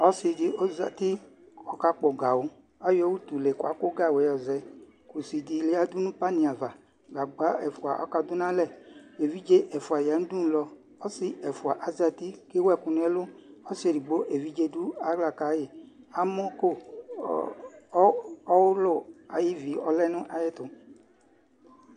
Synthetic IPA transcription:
ɔ˦si˨˧di˧o˦za̰˨ti˦ | ɔ˨ka˦k͡pɔ˨ɡa˨wo˨˦ | a˨˦jo˦wu˦tu˨le˨ku˨a˨˦ko˦ɡa˦˨wɛ˨˦jɔ˨zɛ˨˦ | ku˨si˨di˨˧le˨˦a˦du˦nũ˦pa˦nĩ˨a˨va˨ | ɡa˨ɡ͡ba˨˦ɛ˨fu˨a̰˨ʔɔ̰˨˦ka˧dʊ˦nã˦lɛ˦˨e˨vi˦d͡ʒe˦ʔɛ˨fu˨a˨ja˨˦n̩ũ˦du˦˨˦lɔ˧ | ɔ˦sɪ˨ɛ˨fu˨a˨ʔa˨za˧t̪i˦ke˦wɛ˦˨kʊ˧n˦ɛ˦lʊ˦ɔ˦se˨ɾi˨ɡ͡bo˦ʔe˨vi˨˦d͡ʒe˧du˦a˨˦ɡla˦˨ka˨˦je˨ | a˨˦mʊ˦ko˦˨˦ | ɔ˦wʊ˦lʊ˦˨a˨ji˦vi˨˦ɔ˧lɛ˦nʊ̃˦ʔa˨je˦t̪ʊ˨

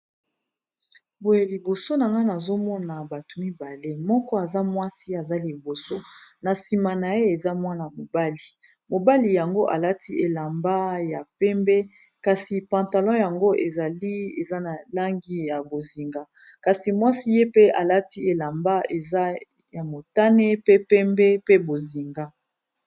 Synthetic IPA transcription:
bo˨je˨li˨bo˨so˦na˨ŋɡa˦na˨zo˦mɔ˦na˨ba˨to˨mi˦ba˨le˦mɔ˦kɔ˦a˨za˦mwa˦si˦a˨za˦li˨bo˨so˦na˨si˨ma˨na˨je˦e˨za˦mwa˦na˨mo˨ba˦li˨ | mo˨ba˦li˨ja˨ŋɡo˦ʔa˨la˦tʰi˦ʔe˨la˨mba˦ja˨pɛ˦mbɛ˦ | ka˨si˨pã˨nta˨lɔ̃˦ja˨ŋɡo˦ʔe˨za˨li˦e˨za˦na˨la˦ŋɡi˦ja˨bo˨zi˨ŋɡa˦ | ka˨si˨mwa˦si˦je˦pe˦a˨la˦ti˦e˨la˨mba˦e˨za˦ | ja˨mo˨ta˦ne˦pe˦pɛ˦mbɛ˦pe˦bo˨zi˨ŋɡa˦

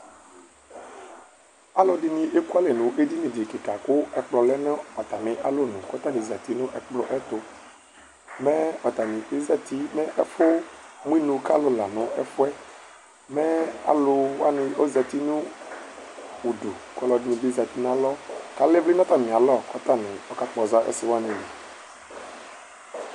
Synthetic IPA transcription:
a˦lɔ˨di˨nĩ˨ʔe˦ku˦a˦le˨nũ˨ʔe˦di˦mĩ˨di˨ki˨ka˨ko˦ɛ˨k͡plɔ˨lɛ˦nɛ̃˦ɔ˨t̪a˨mɪ̃˨ʔa̰˦lo˦nũ˨kɔ˦t̪a˦nĩ˨za˨t̪i˦nũ˦ʔɛ˨k͡plɔ˦ʔɛ˦t̪o˨ | mɛ˦ɔ˨t̪a˨mĩ˨e˦za˨t̪i˦mɛ˦ʔɛ˦fo˦mũ˦i˦nũ˨ka̰˦lo˦la˨nʊ̃˨ɛ˦fu˦ɛ˦ | mɛ˦a̰˨lʊ˨wa˦nɪ̃˦o˦zɛ˨t̪i˦nũ˦ | wu˨do˨kɔ˨˦lɔ˨dmĩ˨bi˦zɛ˨t̪i˦n˦ã˦lɔ˦ka˨le˦vli˦nã˦t̪a˨mĩ˨a˨lɔ˦˨kɔ˦t̪a˦˨nɪ̃˨ɔ˦ka˦k͡pɔ˨za˦ʔḛ˦sɪ˨˦wa˦nĩ˨ji˨

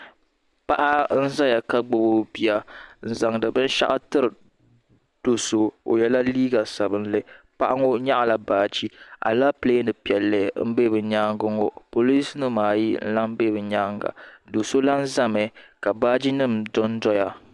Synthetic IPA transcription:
pa˦ʔa˦n̩˦za˦ja˨ka˦ɡ͡bʊ˨bo˦bi˦a˦n̩˨za˨ŋdɨ˨bɨ˦n˦ʃa̰˦ʔa˦tɨ˦ɾɨ˨ | d̥o˨so˨o̰˨jɛ˦la˦liː˦ɡa˨sa˨bɨ˦n˦lɨ˦ | pa˦ʔa˦ŋo˦ɲa˦ʔa˨la˨baː˦˨d͡ʒi˦a̰˨la˦ple˦nɨ˨pi˨ɛ˨lːɨ˨m̩˦be˦bɨ˨ɲaː˦ŋɡʊ˦ŋo˦po˨li˦snɨ˦maː˨ji˦n̩̰˦la˦m˦be˦bɨ˨ɲaː˦ŋɡa̰˨do˨so˦la˦n̩˦za˦mɛ˨ka˨baː˦d͡ʒi˦nɨ˦˨mdɔ˦n˦dɔ˦ja˨

